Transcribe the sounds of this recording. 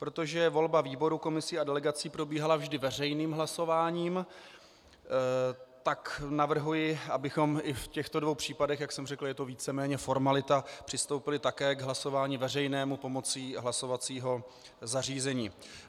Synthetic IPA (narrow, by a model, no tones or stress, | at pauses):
pɾo̞t̪o̞ʒɛvo̞lbaviːbo̞ɾuko̞mɪsiːadɛlɛɡat͡siːpɾo̞biːɦalavʒdɪvɛrɛjniːmɦlaso̞vaːɲiːm | t̪aknavr̩ɦujɪabɪxo̞mʔɪfcɛxt̪o̞dvo̞wpr̝̥iːpadɛxjaksɛmrɛkl̩jɛt̪o̞viːt͡sɛmɛːɲɛfo̞ɾmalɪt̪apr̥ɪst̪o̞wpɪlɪt̪akɛːɡɦlaso̞vaːɲiːvɛrɛjnɛːmupo̞mo̞t͡siːɦlaso̞vat͡siːɦo̞ | zariːzɛɲiː